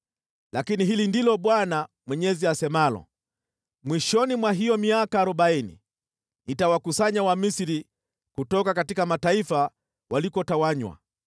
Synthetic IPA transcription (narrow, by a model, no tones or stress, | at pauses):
lakiniɦilindilɔɓwana | mwɛɲɛziasɛmalɔ̰ | mwiʃɔnimwaɦijɔmiakaːɾuɓainḭ | nitawakusaɲawamisiɾi | kutɔkakatikamataifa | walikɔtawaɲwa̰